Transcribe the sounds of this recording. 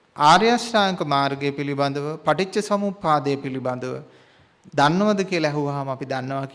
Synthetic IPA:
aːɾjasʈaːŋkəmaːɾɡejpiliband̪əʋəpaʈit͡ʃːəsɐmuːpaːd̪əjəpiliband̪əʋə̰ | d̪anːəʋɐd̪əkijəlɛɦuʋaɦamapid̪anːəʋak

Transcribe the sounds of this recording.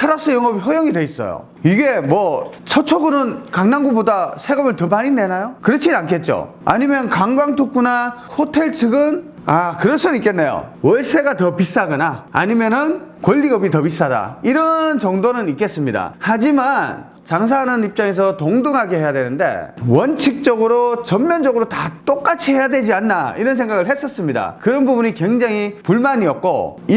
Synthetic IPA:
tʰaɾas͈ɯjʌŋʌbiɦʌjʌŋidwe̞is͈ʌ̰jo̰ | iɡe̞mwʌt͡ɕʰʌt͡ɕʰoɡɯnɯnkaŋnaŋɡubodasʰe̞ɡʌmɯɭtʌmaɲinːe̞najokɯɾʌt͡ɕʰinankʰe̞t̚t͡ɕ͈o̰ | a̰ɲimjʌnkaŋɡwaŋtʰuk̚k͈unahotʰe̞ɭt͡ɕʰɯɡɯn | akɯɾʌsʰɯnɯnik͈e̞nːe̞jo̰wʌɭs͈ʰe̞ɡatʌpis͈aɡɯnaa̰ɲimjʌnɯnkwʌʎːiɡʌbitʌpis͈ada̰iɾʌnt͡ɕʌŋdonɯnik͈e̞s͈ɯmɲida̰had͡ʑiman | t͡ɕaŋs̬ʰanɯnip̚t͡ɕ͈aŋe̞s̬ʰʌtoŋdɯŋɦaɡeɦhe̞jadwe̞nɯnde̞̰wʌnt͡ɕʰik̚t͡ɕ͈ʌɡɯɾot͡ɕʌmjʌnd͡ʑʌɡɯɾotat͈ok͈at͡ɕʰihe̞jadwe̞d͡ʑianːaiɾʌns̬ʰe̞ŋɡaɡɯɭhe̞s͈ʌs͈ɯmɲida̰kɯɾʌnbubuɲikwe̞ŋd͡ʑaŋipuɭmaɲiʌk̚k͈o̰i

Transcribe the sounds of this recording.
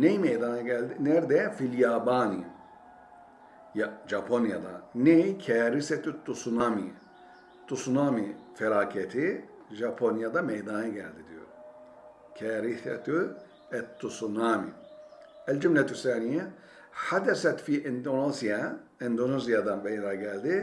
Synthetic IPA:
nejmejd̪anɯɟælʲd̪inɛɾd̪ɛfiljaːbaːni | jaʒapʰonjad̪a̰nejkʰɛːɾisɛt̪ut̪ːusunaːmi | t̪ʰusunamifɛɾaːkʰɛt̪ʰi | ʒapʰonjad̪amɛjd̪aːnɯɟælʲd̪id̪ijo̰ | kʰɛːɾisɛ̰t̪u | ɛt̪ʰːusunaːmḭ | ɛld͡ʒymlɛt̪usaːnijɛ | ħad̪ɛsɛt̪fiːʔɛnd̪onozijaɛnd̪onezijad̪anbɛjɾaɟælʲd̪i

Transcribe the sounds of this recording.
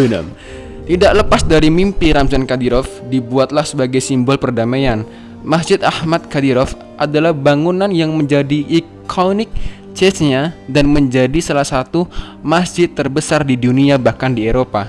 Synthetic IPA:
na̰m | t̪idakləpasdaɾimimpiɾamzankadiɾɔfdibuat̪̚lahsəbaɡajsimbɔlpərdamajan | masd͡ʒɪt̪̚ahmat̪̚kadiɾɔf | ʔadalahbaŋunanjaŋməɲd͡ʒadiʔːkʰonɪk̚ | t͡ʃɛsɲadanməɲd͡ʒadisalahsat̪u | masd͡ʒɪt̪ːərbəsardiduniabahkandieɾopa

